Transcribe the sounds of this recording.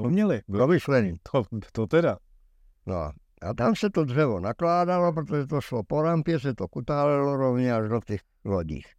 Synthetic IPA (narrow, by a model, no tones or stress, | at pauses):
ɔmɲɛlɛbɔmislɛniːt̪ʰɔt̪ɔt̪ɛɾa | nɔ̰ | a̰t̪amsɛt̪ɔd̪rɛʋɔnaklaːd̪alɔpɾɛt̪ɔʒɛt̪ɔʃlɔpɔɾampɪɛsɛt̪ɔkut̪aːlɛlɔɾɔʊɲɛaʒd̪ɔt̪iːx | lɔɟḭːx